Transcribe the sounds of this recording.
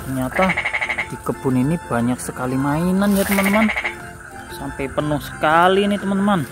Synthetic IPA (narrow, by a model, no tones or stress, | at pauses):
t̪ərɲat̪ad̪̥i̤kəb̥ʊ̤ninib̥a̤ɲak̚səkalimainanjat̪əmənt̪əman | sampɛpənʊhsə̥kalinit̪əmənt̪əman